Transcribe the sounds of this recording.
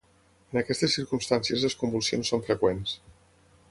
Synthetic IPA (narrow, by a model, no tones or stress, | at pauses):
ənəkɛst̪əsːiɾkumst̪ansiəzləskumbulˠsionsːoɱfɾəkwens